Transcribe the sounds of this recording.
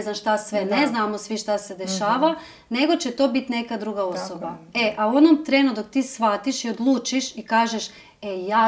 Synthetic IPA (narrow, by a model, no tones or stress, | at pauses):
znanʃt̪asʋe̞ne̞znaːmo̞sʋiʃt̪ase̞d̪e̞ʃaːʋa | ne̞ɡo̞t͡ɕe̞t̪o̞ːbit̪ne̞kad̪ɾuɡao̞so̞bae̞ʔauo̞nomt̪ɾenud̪ok̚t̪iːsʋat̪iʃio̞d̪lˠuːt͡ʃiʃikaːʒeʃ | ejaː